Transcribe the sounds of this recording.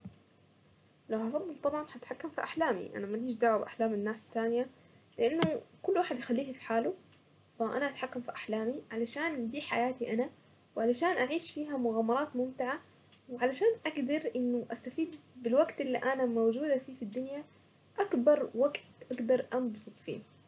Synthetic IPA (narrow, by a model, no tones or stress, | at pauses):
lawhɑfɑd̪ˤːɨlt̪ˤɑbʕɑnħat̪ħakːamfiʔaħlaːmḭʔa̰namanhiːʃ̬d̪aʕabʔaħlaːmɪnːaːst̪ːaːnja | lɪʔanːʊkʊlːwaːħɪd̪jɪxalːiːhfi̥ħaːlu | faʔanaʔat̪ħakːamfiʔaħlaːmiʕalaʃaːnd̪iːħajaːt̪iʔana | wʕalaʃaːnʔaʕiːʃfiːɦamʊɣaːmɑɾˤɑːt̪mʊmt̪ɪʕa | wɪʕalaʃaːnʔaɡd̪ɑɾˤʔɪnːʊʔast̪afiːd̪̚bɪlwaɡt̪ʔɪlːiʔanamawd͡ʒuːd̪afiːfid̪ːʊnja | ʔakbɑɾˤwaɡt̪ʔaɡd̪ɑɾˤʔambsˤɨt̪ˤfḭː